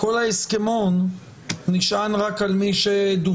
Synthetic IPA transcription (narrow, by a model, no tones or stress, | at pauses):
ko̞laeskemonː | iʃʔanʁakalmiʃed̪u